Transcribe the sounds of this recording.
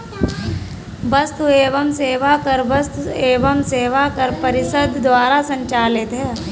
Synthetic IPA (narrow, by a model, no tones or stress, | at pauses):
bɐst̪ueːʋəmseːʋakɐɾbɐst̪eːʋəmseːʋakɐɾpɐɾɪsəd̪ʱd̪waːɾasə̃ɲt͡ʃaːlɪt̪ɦɛː